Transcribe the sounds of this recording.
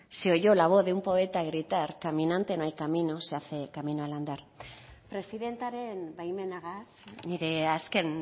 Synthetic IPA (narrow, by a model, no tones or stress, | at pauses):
seo̞ʝo̞laβ̞o̞ððeumpo̞e̞t̪aɣɾit̪aɾkamĩnãnt̪e̞noajkaminoseaθe̞kamĩnoaland̪aɾ | pɾe̞siðe̞nt̪aɾenbajmenaɣasniɾeasken